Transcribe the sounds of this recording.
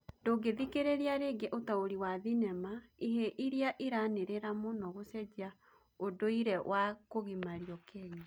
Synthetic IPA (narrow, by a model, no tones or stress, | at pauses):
ndoɡeðikeɾeɾeaɾeɡeʔotaoɾiwaðinɛmaiɦeʔiɾiaʔiɾaneɾeɾamonɔɣosɛd͡ʑia | odoiɾɛwʔakoɣimaɾjɔkɛɲi